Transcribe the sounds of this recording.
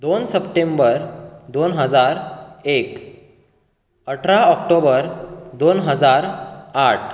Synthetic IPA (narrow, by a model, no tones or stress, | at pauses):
d̪onsəpʈembəɾd̪onɦəd͡zaɾek | əʈʰɾaɔkʈobəɾd̪onɦəd͡zaɾaʈʰ